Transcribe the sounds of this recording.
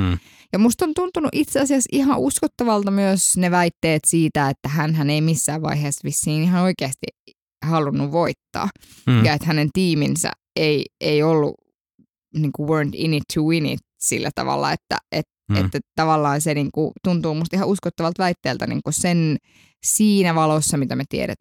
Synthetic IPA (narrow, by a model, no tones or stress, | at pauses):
jɑmust̪ont̪unt̪unuʔit̪seɑsiɑsihɑʔuskot̪ːɑʋɑlt̪ɑmyøsneʋæit̪ːeːt̪siːt̪æet̪ːæhænɦæneimisːæːʋʋɑ̰iɦeːsːʋisːiːniɦɑnoikeæst̪ḭ | hɑlunːuʋʋoit̪ːɑ̰ːjɑet̪hænent̪iːminsæ̰ | eieiolːṵ | niːŋkuwøːnt̪ḭnit̪ʰːuwinḭt̪sḭlːæt̪ɑ̰ʋɑ̰lːɑ̰ḛt̪ːæ̰ʔet̪ḛt̪ːæt̪ɑʋɑlːɑːnseniːŋkut̪unt̪uːmust̪ihɑuskot̪ːɑʋɑlt̪ʋæit̪ːeːlt̪ænḭːŋkusen | siːnæʋɑlosːɑmit̪æmet̪iḛɾæ̰t̪